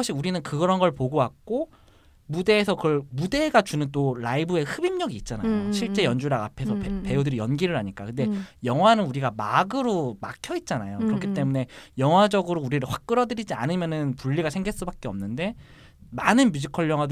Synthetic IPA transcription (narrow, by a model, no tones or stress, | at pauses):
ɕ͈ʰiɡuɾinɯnkɯɡʌɾʌnɡʌɭpoɡowak̚k͈o | mude̞ːsʰʌkɯʌɭmude̞ɡat͡ɕunɯnt͈oɾaibɯe̞hɯbimɲʌɡiːt̚t͡ɕ͈anajoɕʰiɭt͡ɕ͈e̞jʌnd͡ʑuɾaɡapʰe̞sʰʌpepe̞jodɯɾijʌnɡiɾɯɾɦaɲik͈a̰kɯnde̞jʌŋwanɯnuɾiɡamaɡɯɾomakʰjʌit̚t͡ɕ͈anajokɯɾʌkʰit͈e̞mune̞jʌŋɦwad͡ʑʌɡɯɾouɾiɾɯɭɸwak̚k͈ɯɾʌdɯɾid͡ʑia̰nɯmjʌnɯnpuʎːiɡasʰe̞ŋɡeɭs͈ubak͈e̞ʌmnɯnde̞ | manɯnmjud͡ʑʰikʰʌɭjʌŋɦwad